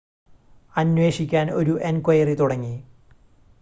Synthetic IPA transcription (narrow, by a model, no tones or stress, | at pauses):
ɐnwe̞ːʂikʲːaːno̞ɾuʔenkwɐjɐrit̪uɽɐŋːi